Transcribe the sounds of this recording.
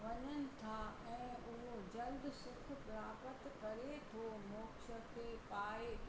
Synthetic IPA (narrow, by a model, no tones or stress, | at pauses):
ʋɐɲənɪ̆t̪ʰaɛ̃ːʔʊɦod͡ʑɐld̪sʊkʰʊ̆pɾaːpət̪kɐɾet̪ʰomoːkʃəkʰekaːɦe